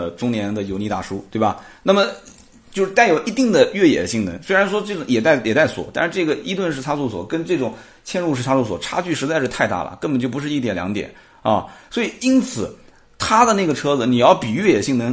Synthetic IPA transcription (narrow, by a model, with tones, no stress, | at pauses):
ʈ͡ʂʊ˥ŋnjɛ˧˥nd̪ə˧jo˧˥ʊi˧t̪a̰˥˩ʂu˥t̪we˥˩bɐ˩na˥˩mə˩ | t͡ɕjo˥˧ʊʂɻ̩˥˧t̪a˥˩ɪjo˨˩ʊʔi˧˥t̪i˥˩ŋd̪ə˩ɥɛ˥˩jɛ̰˨˩ɕi˥˩ŋnə˧˥ŋswe˥ɪɻa˧˥nʂwɔ˥ʈ͡ʂɤ˥˩ʈ͡ʂʊ˨˩ŋjɛ˨˩ta˥˩ɪjɛ˨˩t͡sa˥˩ɪswɔ̰˨˩˦t̪a˥˧ʂɻ̩˥˧ʈ͡ʂɤ˥˩ɡə˩i˧˥t̪wə˥˧nʂɻ̩˥˩t͡sʰa˥t͡su˥˩swɔ̰˨˩kə˥nʈ͡ʂɤ˥˩ʈ͡ʂʊ˨˩˦ŋ | t͡ɕʰjɛ˥˧nɻu˥˧ʂɻ̩˥˩t͡sʰa˥t͡su˥˩swɔ̰˨˩ʈ͡ʂʰa˥t͡ɕy˥˩ʂɻ̩˧˥t͡sa˥˧ɪʂɻ̩˥˧tʰa˥˧ɪt̪a̰˥˩lə̰˩kə˥npə˨˩nt͡ɕjp̬ʂɻ̩˥˧i˥˩t̪jɛ˨˩nljɑ˧˥ŋt̪jɛ̰˨˩˦n | ɐ˥˧swɔ˧˥i˨˩i˥nt͡sʰɹ̩˨˩˦ | t̪ʰa˥d̪ə˨na˥˩ɡə˩ʈ͡ʂʰɤ˥d͡zɹ̩˨˩ni˨˩jɑ˥˩ʊpi˨˩ɥɛ˥˩jɛ˨˩ɕi˥˩ŋnə˧˥ŋ